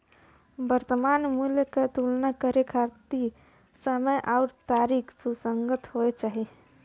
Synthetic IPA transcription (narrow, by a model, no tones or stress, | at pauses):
bəɾt̪əmanmuljket̪ulnakəɾekʰaɾt̪i | səməjʔaʊɾt̪aɾikʰsusəŋɡət̪hoet͡ʃaːɦi